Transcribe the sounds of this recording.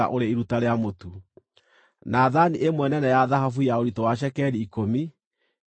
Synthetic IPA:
a̰ʔoɾeiɾutaɾeamotu | naːðaniʔemwɛnɛnɛjaðaɦafujaoɾitɔwaʃ̬ɛkɛɾiːkomi

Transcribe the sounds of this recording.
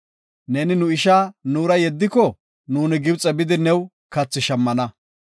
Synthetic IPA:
nɛnɪnʊɪʃaːnuːɾɐjɛd̪ːɪkɔ | nuːnɪɡɪbt͡sʼɛbɪd̪ɪnɛw | kɐt͡sːɪʃɐmːɐnɐ

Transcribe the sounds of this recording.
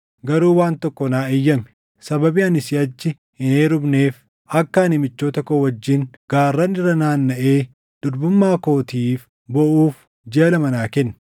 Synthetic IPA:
ɡɐɾuːwaːnt̪ɔkːɔnaːɪjːɐmɛ | sɐbɐbiːɐnɪsɪɐd͡ʒːɪ | ɪneːɾʊbneːf | ʔɐkːɐːnɪmɪt͡ʃːoːt̪ɐkɔwɐd͡ʒːɪŋɡ̥aːrːɐnɪrːɐnaːnːɐʔe̞ː | d̪̥ʊɾbʊmːaːkoːt̪iːf | bɔʔuːf | d͡ʒeɐlɐmɐnaːkɛnː

